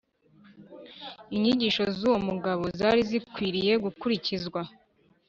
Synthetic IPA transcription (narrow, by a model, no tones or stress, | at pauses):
iɲiɟiːʃo̞zuːwo̞muɡaβo̞zaːɾizikwiːɾije̞ɡukuɾicizɡwa